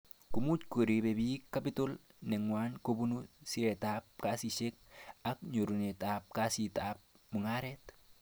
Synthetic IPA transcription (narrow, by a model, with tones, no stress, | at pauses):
ku˨mu˦tko˨ɾi˨be˨bikːa˦pɪ˦to˦lnɛ˨ŋwanko˦bu˦nusi˦ɾɛ˨tap̚ka˦siʃe˦k̚a˦k̚ɲo˨ɾu˨ne˨tap̚kasi˨tap̚ | mʊ˨ŋa˦ɾɛt